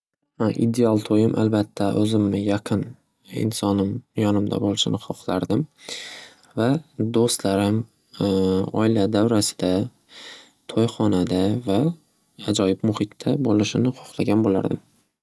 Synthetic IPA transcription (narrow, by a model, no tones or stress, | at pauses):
ʔḭd̪ealˠt̪ʰojɪmʔa̰lbat̪ʰːaʔɵzɪmːɪjɑqʰɨn | ɪ̰nsɒnɪmjɒnɪmd̪a̰bolɪʃɪ̰nɪχɒqlˠaɾd̪ɪm | vad̪ost̪laɾɪm | ɒ̰ɪlad̪awɾasɪ̥d̪̥a | t̪ʰojχɒnad̪avaː | d͡ʒɒjɪbmʊhɪt̪ːabolɪʃɪnɪχo̥qlˠaɡʲanbola̰ɾd̪ɪm